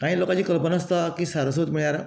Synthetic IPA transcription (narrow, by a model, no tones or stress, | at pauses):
kãːĩːloːkat͡ɕiːkəlpənaːst̪akisaɾos̬əut̪miɭjaːɾe